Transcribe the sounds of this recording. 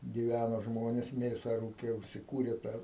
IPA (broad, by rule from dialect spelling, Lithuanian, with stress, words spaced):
ɡʲɪˈʋʲænoː ˈʒmoːnʲeːs ˈmʲeːsɐ ˈruːkʲeː ʊʃʲsʲɪˈkuːrʲeː ˈtɑː